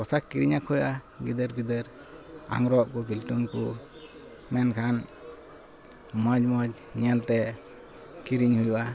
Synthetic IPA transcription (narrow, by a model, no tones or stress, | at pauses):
kɔsakːiɾiɲakʰɔjʔa | ɡid̪əɾɡid̪əɾ | a̰ŋɾɔʔ̚kubilʈunku | mɛnkʰan | məd͡ʒməd͡ʒ | ɲɛlt̪ɛ | kiɾiɲhujuʔa